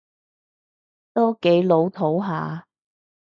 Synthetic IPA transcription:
t̪o˥wke˨˥jlo˨˧˥wt̪ʰo˨˥wɦaː˨˧

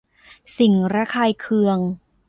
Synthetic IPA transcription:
si˨˩ŋɾaː˦˥kʰaː˧jkʰɯ˧əŋ

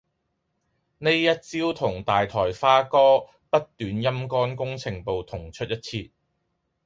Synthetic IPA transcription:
ne˥jjɐ˥t̚t͡siː˥wt̪ʰʊ˨˩ŋt̪aː˨jt̪ʰɔː˨˩jfaː˥kɔː˥ | pɐ˥t̚t̪yː˨˧njɐ˥mkɔː˥nkʊ˥ŋt͡sʰɪ˨˩ŋpo˨wt̪ʰʊ˨˩ŋt͡ʃʰɵ˥t̚jɐ˥t̚t͡sʰiː˧t̚

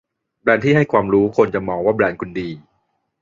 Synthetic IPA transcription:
blɛː˧nt̪ʰiː˥˩a˥˩jkʰwaː˧mɾuː˦˥kʰo˧nt͡ɕa˨˩mɔː˧ŋwaː˥˩bɾɛː˧nkʰu˧ndiː˧

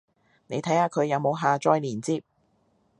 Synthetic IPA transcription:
ne˨˧jt̪ʰɐ˨˥jhaː˧kʰɵ˨˧ɥjɐ˨˧wmo˨˧wɦaː˨t͡ʃɔː˧jliː˨˩nt͡siː˧p̚

